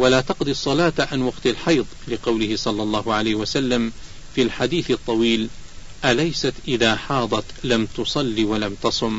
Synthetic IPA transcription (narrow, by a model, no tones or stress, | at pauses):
walaːt̪ɑqd̪ɪsˤːɑlaːt̪ʕanwɑqt̪alħɑjðˤlɪqɑwlɪhɪsˤɑlːɑlˤːɑːhʊʕalajhwasalːam | filħad̪iːθɨt̪ˤːɑwiːl | ʔalajsat̪ʔɪðaːħɑːd̪ˤɑt̪lamt̪ʊsˤɑlːiwalamt̪ɑsˤʊm